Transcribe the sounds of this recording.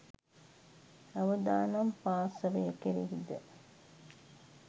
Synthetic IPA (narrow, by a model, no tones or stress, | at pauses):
ɐʋɐd̪aːnɐmpaːsɐʋɐjekeɾiɦid̪ə̰